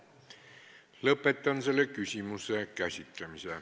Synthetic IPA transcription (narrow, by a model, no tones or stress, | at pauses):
lɤpːˑet̪ːˑɑnselːekysimusˑeɑkæsʲit̪ːæmise